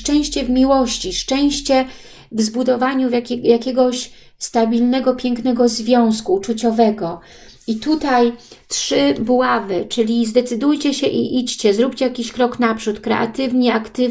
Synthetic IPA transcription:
ʂt͡ʂɛ̃w̃ɕt͡ɕɛvmʲiwɔɕt͡ɕiʂt͡ʂɛ̃w̃ɕt͡ɕɛ | vzbud̪ɔvaɲuvʲjakʲɛɡɔɕ | st̪abʲilnɛɡɔpʲjɛŋknɛɡɔzvʲjɔ̃w̃skuːt͡ʂut͡ɕɔvɛɡɔ | it̪ut̪ajtʂɘbwavɘt͡ʂɘlʲizd̪ɛt̪sɘd̪ujt͡ɕɛɕɛʔḭʔit͡ɕt͡ɕɛzɾupʲt͡ɕɛjakʲiɕkɾɔknapʂut̪kɾɛ̰ʔa̰t̪ɘvɲɛakt̪ɘ

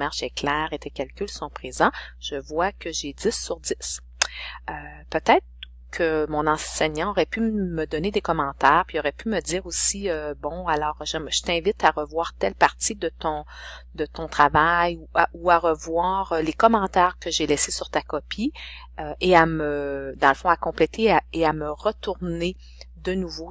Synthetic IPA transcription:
maʁʒɛklɛːʁet̪ʰɛkʲalkʲylsɔ̃pχezɑ̃ʒ̥əvwakʲʰəʒed͡z̪ɪsːyʁd̪ɪs | øpøt̪ɛːt̪χ | kʰəmɔ̃nɑ̃sɛɲɑ̃ɔʁɛpyməd̪ɔned̪ekɔmɑ̃ːt̪ɛːʁpɥiɔʁɛpymədd͡z̪iːʁosiøbɔ̃alɔːʁʒɛmʒət̪ɛ̃vɪt̪aʁəvwaːʁt̪ɛlpaʁt̪id̪ət̪ɔ̃ | d̪ət̪ɔ̃t̪χavajuauaʁəvwaːʁəlekɔmɑ̃t̪ɛːʁkəʒelɛsesyʁt̪akɔpʰi | øeaməd̪ɑ̃ləfɔ̃akɔ̃plɛt̪eaeaməʁət̪uʁne | d̪ənuvo

